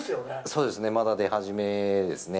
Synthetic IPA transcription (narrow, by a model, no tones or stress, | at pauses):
so̞ːd̪e̞sɨne̞mad̪ad̪e̞haʑime̞d̪e̞sɨne̞